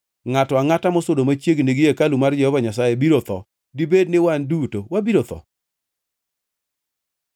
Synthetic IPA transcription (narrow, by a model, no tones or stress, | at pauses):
ŋatɔaŋatamɔsʊdomat͡ʃjeɡneɡɪjekalumard͡ʒɛhɔvaɲasajebiɾot̪ɔ | dibednɪwandutowabiɾot̪ɔ̰